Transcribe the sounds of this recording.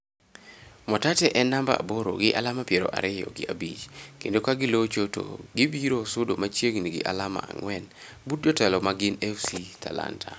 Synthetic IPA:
mɔtatɛʔɛnːamba̰a̰boɾo̰ɡɪʔa̰lamapjeɾo̰ʔa̰ɾɪjɔ̰ɡɪabit͡ʃkendokaɡɪlot͡ʃoto̰ɡibiɾosʊdomat͡ʃjeɡniɡɪ̰ʔalama̰a̰ŋwɛn | but̚d͡ʒɔtɛlɔmaɡɪnɛfsitʰala̰ntʰa̰

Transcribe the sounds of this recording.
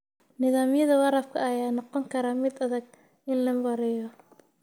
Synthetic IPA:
nɪðaːmjɐðɐwɑɾɐb̚kʰɐɐjaːnɔqɔŋkʰɐɾaːmɪd̪ɐðɐɡ̚ | ʔɪnlɐmwɐɾɛjɔ

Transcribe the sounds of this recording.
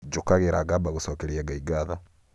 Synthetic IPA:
d͡ʒokaɣeɾaɡabaɣosɔːkɛɾiɛɡaiɡaða

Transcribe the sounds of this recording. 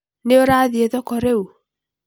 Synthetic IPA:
neoɾaːðieðɔkɔɾeu

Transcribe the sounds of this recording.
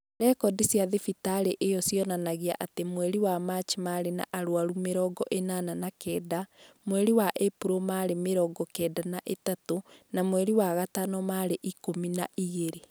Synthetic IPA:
ɾɛkɔdisiaðefitaɾeʔejɔsjɔnanaɣia̰ʔatemwɛɾiwamat͡ʃimaɾena̰ʔaɾwaɾumeɾɔɡɔʔenaːnanakɛːdamwɛɾiwaʔepuɾomaːɾemeɾɔɡɔkɛːdanaʔetatonamwɛɾiwaɣatanɔmaɾeʔikominaʔiɣeɾe

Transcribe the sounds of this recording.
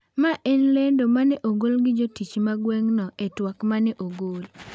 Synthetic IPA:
maʔenlendomanɛʔoɡolɡɪd͡ʒotit͡ʃmaɡwɛŋnɔetwakmanɛʔoɡol

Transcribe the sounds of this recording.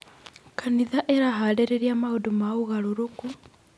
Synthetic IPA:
kaniðaʔeɾaɦaɾeɾeɾiamahodumauɣaɾoɾoku

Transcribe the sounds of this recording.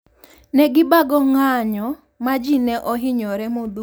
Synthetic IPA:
nɛɡɪbaɡɔŋaɲɔ | mad͡ʒinɛʔɔɦɪɲɔɾɛmod̪u

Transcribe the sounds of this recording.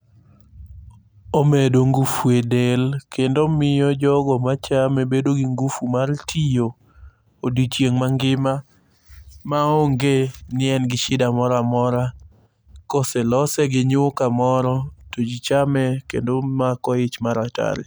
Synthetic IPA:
omedoŋɡufuedelkendomɪjɔd͡ʒɔɡɔmat͡ʃamebedoɡiŋɡufumartʰijo | odit͡ʃjeŋmaŋɡɪma | maoŋɡenɪɛnɡɪʃɪdamɔɾamɔɾa | koselɔsɛɡɪɲʊkamɔɾɔtod͡ʒit͡ʃamɛkendomakɔɪt͡ʃmaɾata̰ɾɪ̰

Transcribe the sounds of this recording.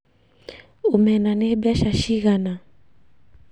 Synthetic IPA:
umɛnanɛɓiaʃaʃiɣana

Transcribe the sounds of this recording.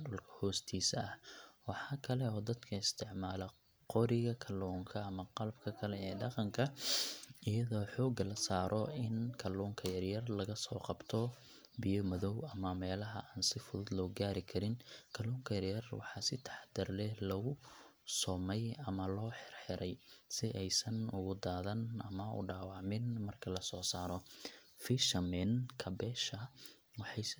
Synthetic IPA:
ɖʊlkʰɐ̥hɔːst̪ʰiːsɐɐhwɑħɑːkʰɐlɛɔːd̪ɐd̪kʰɐɪst̪ʰɪʕmaːlɐ | qɔɾɪɣɐkʰɐlɔːŋkʰɐɐmɐqɑlɐbkʰɐkʰɐlɛɛːɖɑqɑŋkʰɐ | ɪjɐðɔːħɔːɡɐlɐsaːɾʔɔɪnkʰɐlɔːŋkʰɐjɐrjɐrlɐɣɐsɔːqɑbt̪ʰɔ | bɪjɔmɐðɔwɐmɐmɛːlɐɦɐ̰ʔaːnsɪfʊðʊd̪lɔːɡaːɾɪkʰɐɾɪnkʰɐluːŋkʰɐjɐrjɐrwɑħɑːsɪt̪ʰɑ̥ħd̪ɐrlɛhlɐɣʊ | sɔːmɛjɐmɐlɔːħɪrħɪɾɛjsɪʔɛjsɐnʊɣʊd̪aːðɐnʔɐ̰mɐʊ̰ɖaːwɑʕmɪnmɐrkʰɐlɐsɔːsaːɾɔ | fiʃɐmɛnkʰɐbɛːʃɐ | wɑħɑj

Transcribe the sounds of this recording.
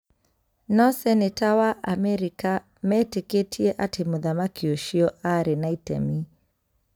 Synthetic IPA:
nɔsɛnetawaʔamɛɾika | mɛteketʰiɛʔatʰemuðamakioʃiɔaɾinaitɛ̰mi

